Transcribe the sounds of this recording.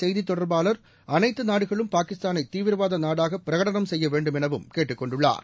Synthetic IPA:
sɛjðit̪ːɔɽɐɾbaːlɐɾ | ɐnɐɪt̪ːɯnaːɽɯɣɐɭɯmpaːkɪst̪aːnɐɪt̪ːiːʋɪɾɐʋaːðɐnaːɽaːɣɐpːɪɾɐɣɐɽɐnɐmsɛjːɐʋeːɳɖɯmɛnɐʋɯmkeːʈːɯkːɔɳɖɯɭːa̰ːɾ

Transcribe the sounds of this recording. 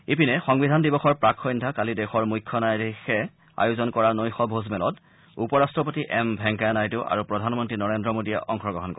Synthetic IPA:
epinɛxɔŋbidʱandibɔxɔɹpɹakʰːɔjndʱakalidɛxɔɹmujkʰːɔnajdixɛ | a̰juzɔnkɔɹanojxɔbʱozmɛlɔt | upɔɹastɹɔp̬otiʔɛmbʱɛŋkajnajtʊʔa̰ɹupɹɔdʱanmɔntɹinɔɹendɹɔmodijɛʔɔŋxɔɡɔɦɔnkɔ

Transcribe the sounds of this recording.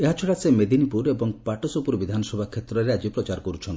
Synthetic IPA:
eɦat͡ʃʰɔɽasemed̪inipuɾebɔŋpaʈosopuɾbid̪ʱanɔsɔbʱakʰet̪ɾɔɾead͡ʒipɾɔt͡ʃaɾɔkɔɾut͡ʃʰɔnt̪

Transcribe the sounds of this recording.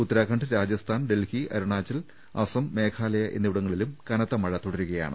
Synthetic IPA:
ut̪ːɐɾaːkʰɐɳɖɨɾaːd͡ʑjɐst̪ʰaːnɖe̞lhiʔɐɾuɳaːt͡ɕːɐl | ɐsɐmːe̞ːkʰaːlɐjɐʔe̞nːiʋuɽɐŋːɐɭilumkɐnɐt̪ːɐmɐɻɐt̪ːoɽɐɾuɣɐja̰ːɳɨ̰

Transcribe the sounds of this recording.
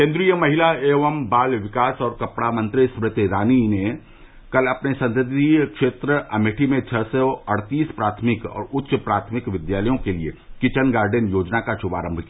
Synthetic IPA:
kẽːnd̪ɾijəmɐɦɪlaeːʋəmbaːlʋɪkaːsɔːɾkɐpɽamɐ̃nt̪ɾispɾɪt̪eɾaːnine | kɐlɐpnesɐ̃nt̪ɪt̪ikʃeːt̪ɾəɐmɪʈʰimẽt͡ʃʰɐsoɐɽt̪iːspɾaːt̪ʰmɪkɔ̰ːɾʊtːʃpɾaːt̪ʰmɪkʋɪd̪jaːləjõkeliḛkɪt͡ʃənɡaːɾɖenjoːd͡ʒnakaʃʊba̰ːɾə̃mbʱkia

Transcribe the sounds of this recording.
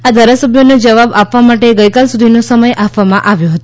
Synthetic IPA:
ad̪ʱaɾasəbʱjonod͡ʒəʋabapʋamaʈeɡəjkalsud̪ʱinosəməjʔapʰʋamãʔaʋjoɦət̪o

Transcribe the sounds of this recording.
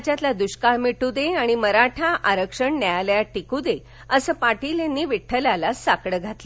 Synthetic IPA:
t͡ɕjat̪lad̪uɕkaɭmiʈud̪eaɽ̃iməɾaʈʰaʔaɾəkʂəɳnajaləjaʈːikud̪e | əsəːpaʈiːljanːiːʋiʈʰːəlalasakɽəɡʱat̪lə

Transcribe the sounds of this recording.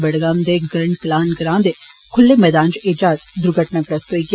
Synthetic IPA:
bɐɽɡaːmd̪eɡɐɾɳɖklaːnɡəɾãːnd̪e | kʰʊlːemɛːd̪aːnd͡ʒʔɪd͡ʒaːzd̪ʊɾɡʱəʈnakɾɐst̪oiɡ

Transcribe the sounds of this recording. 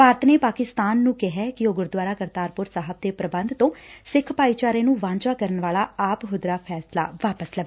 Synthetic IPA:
paːɾt̪ʰneːpaːkɪst̪aːnːũːkɪɦɛːkɪoːɡʊɾd̪waːɾaːkəɾt̪aːɾpʊɾsaːɦəb̚d̪eːpɾəbənd̪t̪õːsɪkʰːpaːiːt͡ʃaːɾẽːnũːʋãːɲt͡ʃaːkəɾənʋaːlaːaːpɦʊd̪ɾaːpʰɛːsla̰ːʋaːpəslə

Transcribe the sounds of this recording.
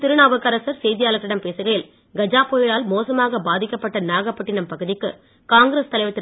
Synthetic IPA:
t̪ɪɾɯɳaːʋɐkːɐɾɐsɐɾsɛjðɪjaːlɐt̪ːɪɽɐmpeːsɯɣɐjɪl | ɡɐd͡ʒaːpoːjɪlaːlmoːsɐmaːɣɐbaːðɪkːɐpːɐʈːɐnaːɣɐpːɐʈːɪnɐmpɐɣɯðɪkːɯ̰ | kaːŋɡɾeːst̪ɐlɐɪʋɐt̪ːɪ

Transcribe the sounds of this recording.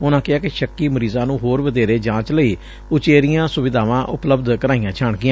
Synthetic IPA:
ʊnãːkɪaːkɪʃəkːiːməɾiːzãːnũːɦoːɾʋəd̪eːɾeːd͡ʒãːt͡ʃləiː | ʊt͡ʃeːɾɪjãːsʊʋɪd̪aːʋãːʔʊ̰pləbd̪kəɾaːijãːt͡ʃʰaːɳɡɪjãː

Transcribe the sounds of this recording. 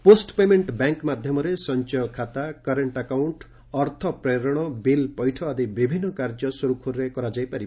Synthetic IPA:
posʈpemeɳʈbaŋkmad̪ʱjɔmɔɾesɔnt͡ʃɔkʰːat̪akaɾeɳʈakawɳʈ | ɔɾt̪ʰɔpɾeɾɔɽ̃ɔbilpɔjʈʰɔːd̪ibibʱinːɔkaɾd͡ʒɔsɔɾukʰuɾɾekɔɾad͡ʒajpaɾib

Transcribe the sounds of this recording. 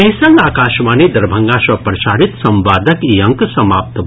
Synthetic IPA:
ɐɦisɐ̃ŋɡaːkaːʃmaːnid̪ɐɾbʱɐŋɡasɐpɾɐsaːɾit̪sɐmʋaːd̪ʱəkjɐ̃ŋksɐmaːp̚t̪

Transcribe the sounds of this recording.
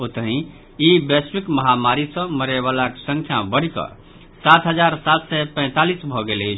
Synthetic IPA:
ot̪əɦĩ | ibesɾikməɦamaɾisə̃məɾɛβalaksə̃ŋkʰjabəɽ̤ikə̰ | sat̪ʰɦəd͡ʒaɾsat̪sɛpə̃ɪ̃t̪alisbʱɔɡelet͡ʃʰ

